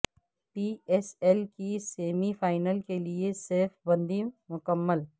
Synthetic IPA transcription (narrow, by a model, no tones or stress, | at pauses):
piːɛːsɛlkiseːmifaːɪnəlkelieseːfbə̃nd̪imʊkəmːəl